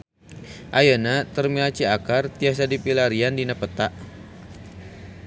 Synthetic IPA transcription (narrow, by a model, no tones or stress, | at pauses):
ʔajənat̪ərmilat͡ʃiakart̪ias̬adipilaɾiandinapət̪aʔ